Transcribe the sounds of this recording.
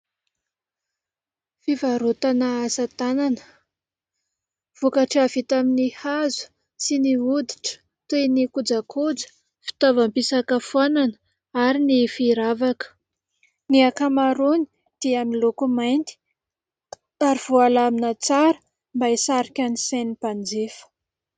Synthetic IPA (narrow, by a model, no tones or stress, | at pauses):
fivaɾot̪anəasat̪ananə | v̥ukaʈ͡ʂavit̪aminihazu̥ | siniud̪iʈ͡ʂə̥ | t̪enikud͡zakʰud͡zə̥ | fi̥t̪avampisakəfwananə | aɾinifiɾavakə̥ | niakamaɾuni̥ | d̪̥iamilokumajnt̪i̥ | aɾiv̥oalaminat͡saɾə̥ | mbaisaɾikʲanisenipand͡zefə̥